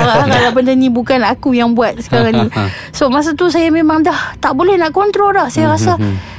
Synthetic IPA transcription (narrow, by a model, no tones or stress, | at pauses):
akalapəndənĩbukanakujaŋbuat̪̚sə̥kaɾaŋni | smas̬at̪usajamemaŋdaht̪aʔbolɛhnaʔkɔnt̪ɾodahsajaɾasa